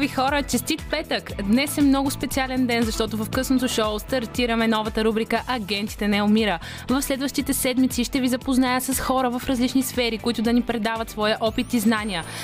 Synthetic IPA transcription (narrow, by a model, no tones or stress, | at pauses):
vixɔɾət͡ʃɛst̪it̪pɛt̪əkd̪nɛsɛmnɔɡʊspɛt̪sialɛnd̪ɛnzɐʃt̪ɔt̪ʊvɐfkɤsnot̪oʃoʊst̪ɐɾt̪iɾəmɛnɔvɐt̪əɾubɾikəʔɐɡʲɛnt̪i̥t̪ɛnɛʊmiɾə | vɐfslɛd̪vəʃt̪it̪ɛsɛd̪mit̪siʃt̪ɛvizɐpoznajəsɐsxɔɾəvɐfɾɐzlit͡ʃnisfɛɾikʊit̪ʊd̪ɐnipɾɛd̪avət̪svɔjəʔɔpit̪iznaniə